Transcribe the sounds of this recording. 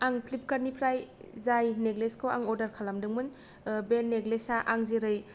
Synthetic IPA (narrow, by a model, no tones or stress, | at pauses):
aŋpʰlip̚kaɾnipʰɾajzajneɡleskʰowa̰ŋɔɾdaɾkʰalamdɯŋmɯn | benːeɡlesaʔaŋziɾɯj